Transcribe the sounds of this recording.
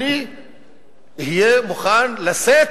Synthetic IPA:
i | ɦijemʊxaːnlɐseː

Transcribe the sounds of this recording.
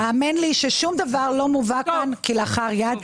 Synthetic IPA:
aaːminliʃeʃumd̪avaʁlo̞muvakankileaχaʁjad̪

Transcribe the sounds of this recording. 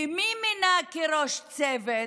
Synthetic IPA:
miminakeɾoʃt͡sɛve

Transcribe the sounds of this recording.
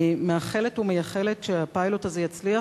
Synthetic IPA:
meaχe̞letumejaχeletʃeapajlo̞tazejat͡slia

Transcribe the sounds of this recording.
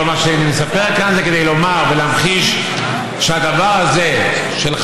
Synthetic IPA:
maʃanimesapeʁkanzeke̞d̪ejlo̞maʁvelaːmχiʃ | ʃead̪avaʁhaze̞ | ʃel

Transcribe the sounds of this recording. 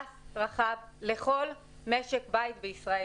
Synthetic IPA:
sʁaχavleχo̞l | meʃekbajtbeisʁae

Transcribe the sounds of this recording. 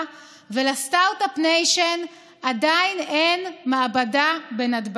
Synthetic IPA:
velastawtapnejʃen | adajnenmaːbadabenadb

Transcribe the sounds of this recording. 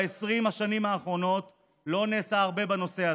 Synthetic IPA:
esʁimhaʃanimhaːχʁo̞no̞t | lo̞neːsaːʁbebano̞se̞a

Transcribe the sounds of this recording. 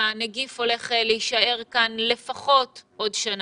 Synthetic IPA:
neɡifo̞le̞χeleiʃae̞ʁkanle̞faχo̞tʔo̞dʃan

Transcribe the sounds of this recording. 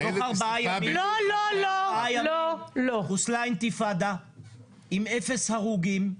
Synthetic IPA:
oaʁbaajaiololoajaoloχuslajnt̪ifad̪a | imefeshaʁuɡim

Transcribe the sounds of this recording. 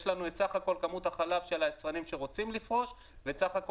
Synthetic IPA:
ʃlanuetsaχako̞lkamut̪haχalafʃe̞laet͡sʁanimʃeʁo̞t͡simlifʁo̞ʃ | vet͡saχak

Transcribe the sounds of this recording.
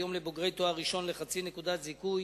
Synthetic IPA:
jo̞mlebo̞ɡʁe̞jt̪oaʁiʃo̞nleχat͡sinekud̪at̪zikuj

